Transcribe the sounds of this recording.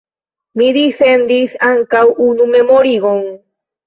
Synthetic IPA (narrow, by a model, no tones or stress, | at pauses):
mid̪isend̪isaŋkawʔunumemoɾiɣoŋ